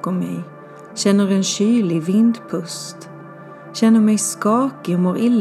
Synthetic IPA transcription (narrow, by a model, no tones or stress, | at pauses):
ɔmɛ̰j | ɕɛnːəɾɛnɕyːlɪvɪnd̪pʰɵst̪ | ɕɛnːəɾmɛjskɑːkəɔmoɾɪlː